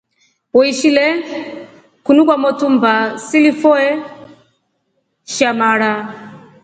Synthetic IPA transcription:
wɔiʃilɛ | kunukwamɔtʰumbasilifɔɛ | ʃamaːɺa

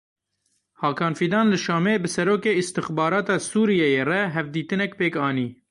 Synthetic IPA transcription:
hɑːkʰɑːnfiːd̪ɑːnlɨʃɑːmeːbɨsɛɾoːkeːɪst̪ɨxbɑːɾɑːt̪ɑːsuːɾijɛjeːrɛɦɛvd̪iːt̪ɨnɛkpeːkɑːniː

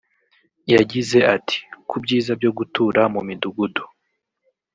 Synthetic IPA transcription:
jaɟize̞ati̥kubɟiːzab̚jo̞ɡutuːɾamumiduɡudo̥

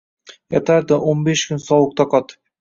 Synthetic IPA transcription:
jɑt̪ɑɾd̪əʔonbeʃkʲʰʏnsɒwəq̚t̪ɑqɑt̪ɨ̥p

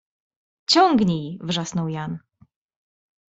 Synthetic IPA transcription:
t͡ɕɔŋɡɲijvʐasnɔwjan

